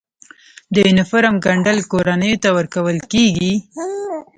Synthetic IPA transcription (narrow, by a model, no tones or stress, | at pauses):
d̪əɪnɪfʊɾamɡaɳɖalkoɾanəjot̪awəɾkawəlkeɡi